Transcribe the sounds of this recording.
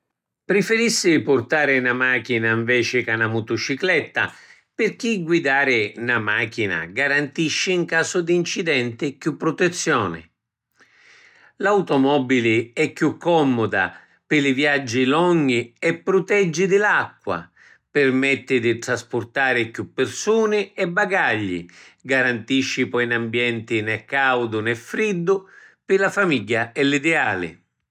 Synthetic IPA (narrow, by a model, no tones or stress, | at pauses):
pɾɪfɪɾisːɪpʊrt̪aːɾɪnamaːk̟inaiɱvɛːt͡ʃɪkanamʊt̪ʊt͡ʃiklɛt̪ːa̰ | pɪrk̟iɡwid̪aːɾɪnamaːk̟ina̰ɡaɾant̪iʃːɪːŋkaːsʊd̪iːnt͡ʃid̪ɛnt̪ɪkjupːɾʊt̪et̪sːjɔːnɪ̰ | lawt̪ɔmɔbilɪɛkːjukːɔmːʊd̪a̰ | pɪlɪvjad͡ʒːilɔɲːiɛpːɾʊt̪ɛd͡ʒːid̪ɪlakːwa̰ | pɪrmɛt̪ːɪd̪it̪ɾaspʊrt̪aːɾɪkjupːɪrsuːnɪɛbːaɡaʎːḭɡaɾant̪iʃːipɔinambjɛnt̪ɪnɛkːawd̪ʊnɛfɾid̪ːʊpɪlafamiɟːaɛlid̪ɛaːlɪ̰